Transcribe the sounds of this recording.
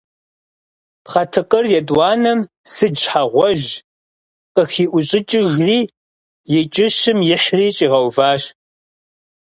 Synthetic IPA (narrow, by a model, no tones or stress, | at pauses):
pχɐtʰɨqərjɛdʼwɑːnɨm | sɨd͡ʒħaʁʷɔʒ | qəxiːʔʷʊɕʼɪt͡ʃʼɪʒriː | jɛt͡ʃʼɪʃɨmjɪħriːt͡ʃʼiːʁɐwvaːɕ